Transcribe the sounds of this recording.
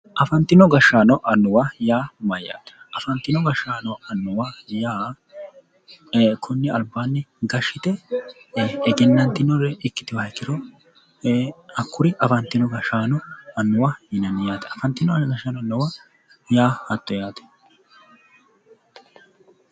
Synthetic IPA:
ʔɐfɐnt̪ɪnɔɡɐʃːaːnɔʔɐnːʊwajaːmɐjːa̰ːt̪ɛ̥ɐfɐnt̪ːɪnɔɡɐʃːaːnɔɐnːʊwajaː | kʰʊnːɪɐlbaːnːɪɡɐʃːɪt̪ɛ | ɛɡɛnːɐnt̪ɪnɔɾɛɪkːɪ̥t̪ɪwɐɐjkːɪɾɔ | ɐkːʊɾɪʔɐfɐnt̪ːɪnɔɡɐʃːaːnɔɐnːʊwajɪnɐnɪjaːt̪ɛ̥ɐfɐnt̪ːɪnɔɡɐʃːanɔnːɔwa | jaːhɐt̪ːɔjaːt̪ɛ̥

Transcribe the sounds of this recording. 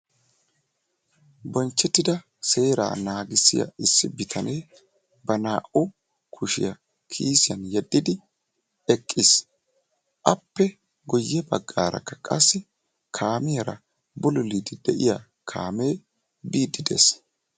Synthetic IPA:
bɔnt͡ʃːɛt̪ːɪd̪ɐ | se̞ːɾa̰ːnaːɡɪsːɪjɐ̰ɪsːɪbɪt̪ʰɐneː | bɐnaːʔʊ | kʰʊʃɪ̰jɐ | kʰiːsɪjɐnjɛd̪ːɪd̪ɪ | ɛkʼːɪs | ʔɐpːɛ | ɡɔjːɛbɐɡːaːɾɐ̰kːɐ̥kʼɐsːɪ | kʰaːmɪjɐɾɐ̰ | bʊlʊlid̪ɪd̪ɛʔɪja | kʰa̰ːmeː | biːd̪ɪd̪ḛs

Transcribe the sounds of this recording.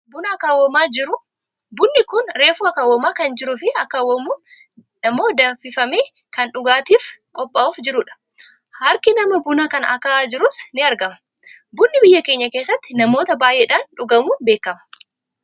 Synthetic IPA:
bʊnɐɐkaːwːɐmaːd͡ʒɪɾʊ | bʊnːɪkʊnɾe̞ːfuːɐkaːwɐmaːkɐnd͡ʒɪɾʊfɪɐkːaːwɐmuːn | nɐmːo̞ːd̪ɐfɪfɐmeː | kɐnᶑʊɡaːt̪iːfkʼɔpʼːauːfd͡ʒɪɾʊᶑɐ̥ | hɐɾkɪnɐmɐbʊnakɐnɐ̰kaːd͡ʒɪɾʊsnɪɐɾɡɐmɐ | bʊnːɪbɪjːɐkeːɲːɐke̞ːsːɐt̪ːɪnɐmo̞ːt̪ɐbaːjʔeːᶑaːnᶑʊɡɐmuːnbe̞ːkːɐmɐ̥

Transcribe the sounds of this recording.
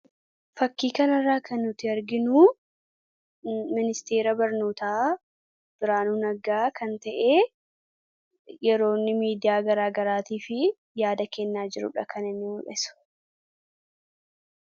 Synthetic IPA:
fɐkːiːkɐnɐrːaːkʰɐnːʊt̪ːɪɐɾɡɪnuː | mɪnɪst̪e̞ːɾɐbɐɾnoːt̪aː | b̥ɪɾaːnuːnɐɡaːkɐnt̪ɐʔeː | jɛɾo̞ːnːɪmiːd̪ɪjaːɡɐɾaːɡɐɾaːt̪iːfɪ | jaːd̪ɐkɛnːaːd͡ʒɪɾʊ̰ᶑɐkʰɐnɪnːɪɔʔɛsʊ̥

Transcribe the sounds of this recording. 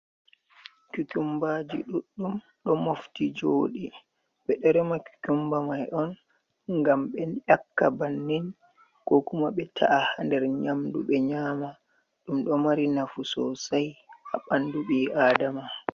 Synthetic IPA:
kukumbad͡ʒḭɗuɗːum | ɗɔmoftid͡ʒoːɗi | ɓɛɗɛɾɛmaku̥kumbamajɗɔn | ŋɡamɓɛnjakːabanːin | kɔkumaɓɛtʰa̰ʔahandɛɾɲamdṵɓɛɲaːma | ɗumɗɔmaɾinafusɔ̰sajʔa̰ɓanduɓiːaːdama

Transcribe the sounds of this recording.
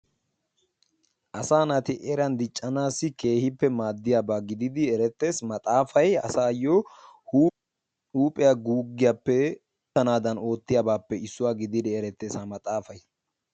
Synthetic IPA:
ʔɐsaːnɐt̪ɪʔɛɾɐnd̪ɪt͡ʃʼːɐnaːsːɪke̞ːhɪpːɛmaːd̪ːɪjaːbaːɡɪd̪ɪd̪ɪɛɾɛt̪ːe̞ːsmɐt̪ʼaːfɐjɐsaːjou | huːpʼɛjaɡuːɡːɪjapːɛ | t̪ɐnaːd̪ɐno̞ːt̪ːɪjaːbaːpːɛɪsːʊwaːɡɪd̪ɪd̪ɪɛɾɛt̪ːe̞ːsaːmɐt̪ʼaːfɐj

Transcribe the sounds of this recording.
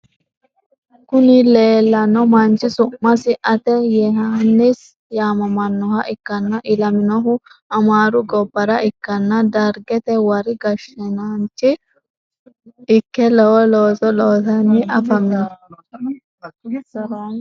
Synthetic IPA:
kʊnɪle̞ːlːɐnɔmɐnt͡ʃɪsʊmːɐsɪʔɐt̪ɛjɛɦɐnːɪs | jaːmɐmɐnːɔhɐʔɪkːɐnːɐʔɪlɐmɪnɔɦʊɐmaːɾʊɡɔbːɐɾɐʔɪkːɐnːɐd̪ɐɾɡɛt̪ɛwɐɾɪɡɐʃːɛnɐnt͡ʃːɪ | ɪkːɛlɔwɔloːsɔloːtɐnːɪʔɐfɐmɪnɐ

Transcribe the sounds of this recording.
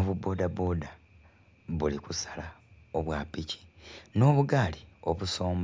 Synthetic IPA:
oβubo̞ːdaboda | βulikusḁla | o̞βwaːpici̥no̞ːβuɡaːlio̞βuso̞ːm

